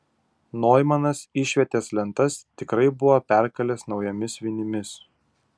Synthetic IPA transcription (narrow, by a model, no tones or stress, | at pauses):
noːjmɐnɐsɪʃʲʋʲɛt̪ʲeːslʲɛnt̪ɐst̪ʲɪkɾɐɪbʊʋopʲæˑɾkɐlʲɛsnɒʊjɛmʲɪsʋʲɪnʲɪmʲɪs